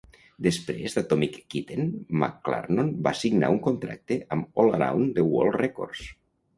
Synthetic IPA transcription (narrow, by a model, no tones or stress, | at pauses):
d̪espɾḛzd̪at̪ɔmikːit̪enma̰kːla̰ɾnonbasiɡna̰uŋkont̪ɾa̰k̚t̪eʔamolaɾa̰wnd̪ewo̰lˠrɛko̰ɾs